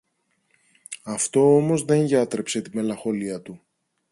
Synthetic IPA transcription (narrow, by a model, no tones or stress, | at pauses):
ɐft̪o̞omo̞zðe̞ŋʝɐt̪ɾe̞pse̞t̪ime̞lɐxo̞liɐt̪u